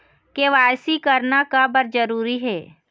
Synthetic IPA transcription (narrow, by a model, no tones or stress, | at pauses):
keʋaːjsikəɾnakabəɾd͡ʒəɾuːɾiɦɛː